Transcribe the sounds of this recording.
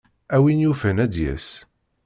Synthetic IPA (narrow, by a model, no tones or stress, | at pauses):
æwinjufænæd̪jæ̰s